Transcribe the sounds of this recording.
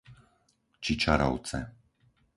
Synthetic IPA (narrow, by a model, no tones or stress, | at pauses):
t͡ʃit͡ʃaɾa̰w̪t͡sɛ̰